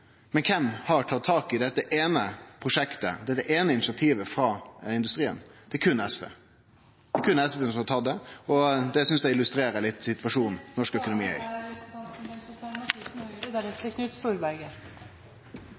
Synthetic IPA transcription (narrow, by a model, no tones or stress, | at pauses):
mɛnkʰɛmhɑɾʈʰɑt̪ʰːɑːkɪd̪ɛt̪ːəʔeːnəpʰʁʊʂɛkt̪ə̰d̪ɛt̪ːəʔeːnəɪnɪt͡ʃɪɑt̪ʰiːʋəfɾɑɪnd̪ʉst̪ɾiːə̰nd̪̥ɛkʰʉnːɛsʋḛː | d̪̥ɛkʰʉnːɛsʋesɔmɑt̪ʰɑt̪̚d̪ɛɔd̪ɛsʏnsd̪ɛɪlʉst̪ɾeːɾəlɪt̪ːsɪt̪ʋɑʂuːnnɔʂkœkʊnʊmḭːœ̰ | ɛt̪əknʉt̪st̪uːɾbæɾɡə